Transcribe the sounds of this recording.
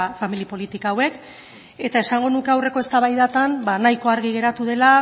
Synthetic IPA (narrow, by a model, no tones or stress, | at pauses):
familipo̞lit̪ikaːwe̞k | e̞t̪ae̞saŋɡo̞nuke̞awre̞ko̞e̞st̪aβajðat̪anbanajko̞aɾɣ̞iɣ̞e̞ɾat̪uðe̞la